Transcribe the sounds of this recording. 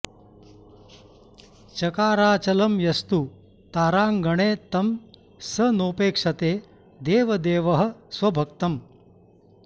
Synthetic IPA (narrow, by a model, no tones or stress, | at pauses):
t͡ʃɐkaːɾaːt͡ʃɐlɐmjɐst̪u | t̪aːɾaːŋɡɐɳeːt̪ɐm | sɐnoːpeːkʂɐt̪eː | d̪eːʋɐd̪eːʋɐɦɐ̆sʋɐbʱɐk̚t̪ɐm